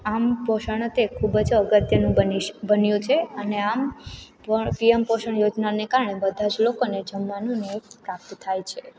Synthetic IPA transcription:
ampɔʃəɳ̃ət̪ekʰubəd͡ʒəɡət̪jənũbəniʃbənjũt͡ʃʰeəneampəpiempɔʃəɳ̃jod͡ʒnanekaɾɳebəd̪ʱad͡ʒlokoned͡ʒəmːanũnepɾap̚t̪ət̪ʰajt͡ʃʰe

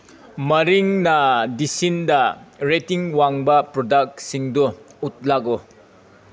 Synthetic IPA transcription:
mɐɾiŋnadisindaɾetiŋwaŋbɐpɾɔdak̚tsiŋdɔut̚lako

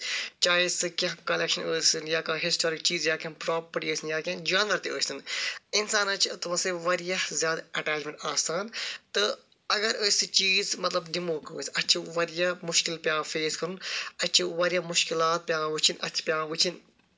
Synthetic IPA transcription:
t͡ʃaːisɨkʲɐɦkɐlekʃɐnəːsɨnjaːkaɦɪsʈoːɾikt͡ʃiːzjaːkʲɐnpɾaːpɐɾʈiəːsinjaːkʲãnd͡ʒaːnʋɐɾt̪iəːssɨnɪnsaːnɐt͡ʃʰt̪ɨmɐseʋɐɾijɐhzʲjaːd̪ɐʈaːt͡ʃmẽɳʈaːsaːnt̪ɨ | ɐɡɐɾəːsʲɨt͡ʃiːzmɐt̪lɐbɖimoːkəːsɐtːt͡ʃʰiʋɐɾjɐmʊʃkɪlpjaːfeːskɐɾunɐt͡ʃʰiʋɐɾijaːmʊʃkilaːt̪̚pʲjaːʋɨt͡ʃʰinʔɐ̰t͡ʃʰi̥pjãːʋɨt͡ʃʰin

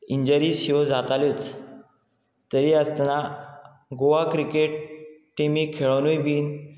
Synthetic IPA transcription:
iɲd͡ʑəɾiːsiod͡zat̪alit͡s | t̪əɾiəst̪na | ɡoʋakɾikeʈʈːimiːkʰeɭənujbiːn

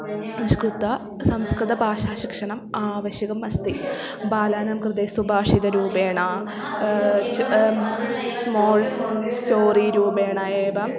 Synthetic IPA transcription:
skrut̪ːɐ | sɐmskrɨd̪ɐbʱaːʂaːɕikʂɐɳɐmaːʋɐɕjɐɣɐmɐst̪i | baːlaːnɐmkrɨd̪eːsubʱaːʂid̪ɐɾuːbeːɳaː | smoːlstoːriɾuːbeːɳɐeːʋɐm

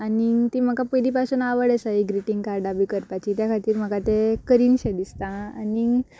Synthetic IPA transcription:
anit̪im̤əkapəɾipasuːnaʋəɽəsaɦiɡɾiʈiŋɡkaɾɖabikəɾpat͡ɕit̪jakʰat̪iːɾm̤əɡat̪ekəɾiːnɕed̪ist̪aaniŋ

